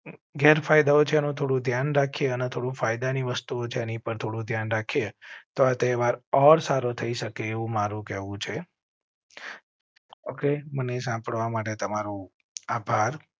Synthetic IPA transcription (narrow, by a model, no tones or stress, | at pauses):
ɡʱɛɾfajd̪aot͡ʃʰeənũt̪ʰoɽũd̪ʱjanɾakʰijeənet̪ʰoɽũfajd̪aniʋəst̪uot͡ʃʰeənipəɳt̪ʰoɽũd̪ʱjanɾakʰiet̪oat̪eʋaɾɔɾsaɾot̪ʰəiʃəkeːʋũmaɾũkɛʋũt͡ʃʰe | okemənesãpəɭʋamaʈ̬et̪əmaɾũ | abʱaɾ